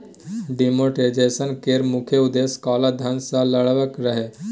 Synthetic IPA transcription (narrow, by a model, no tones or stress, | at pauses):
ɖimoʈed͡ʒesənkeːɾmukʰeud̪eskɔːlad̪ʱənsaləɭʋəkɾəɦe